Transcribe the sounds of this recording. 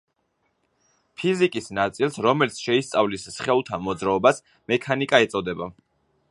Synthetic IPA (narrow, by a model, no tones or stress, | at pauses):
pʰizikʼisnat̪sʼilˠsɾɔmɛlit̪sʰʃɛist̪sʼavlisːχɛlˠt̪ʰamɔd̪zɾaɔbas | mɛkʰanikʼaɛt̪sʼɔd̪ɛba